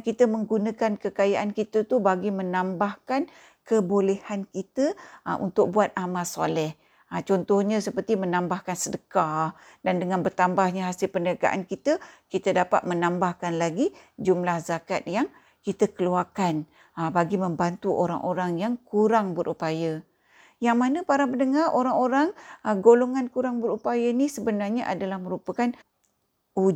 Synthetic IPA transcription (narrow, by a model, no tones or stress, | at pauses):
kit̪əməŋɡunəkankəkajaʔankit̪ət̪ubaɡimənambahkan | kəbolɛhankit̪əəʔṵnt̪ʊk̚buat̪̚ʔamasa̰lɛh | ət͡ʃɔnt̪ɔhɲə̃səpərt̪imənambahkansədəka | dandəŋanbərt̪ambahɲəɦasɪlpəndaɡa̰ʔa̰nkit̪əkit̪ədapa̰t̪̚mənambahkanlaɡi | d͡ʒumlahzakat̪̚jaŋ | kit̪əkəluarkan | əbaɡiməmbant̪uʔoɾa̰ŋʔoɾaŋjaŋkuɾaŋbəɾʔupajə | jaŋmanəpaɾapənəŋarʔoɾaŋoɾaŋəɡoloŋankuɾaŋbəɾupajənisəbənarɲəʔa̰dalahməɾupəkan | u